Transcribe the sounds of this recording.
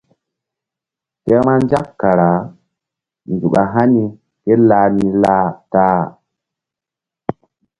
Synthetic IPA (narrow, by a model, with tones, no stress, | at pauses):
kɛ˦ma˦nd͡ʒa˦kːa˨ɾa˨ | ndu˨ɓa˨ɦa˦ni˦ | ke˦la˦ni˦laː˦taː˦